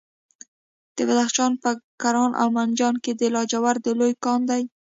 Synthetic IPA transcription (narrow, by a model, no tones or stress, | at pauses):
d̪̥əbad̪axʃɑnpəkaɾɑnʔa̰wmand͡ʒɑnked̪əlɑd͡ʒawaɾd̪əlojkɑnd̪aj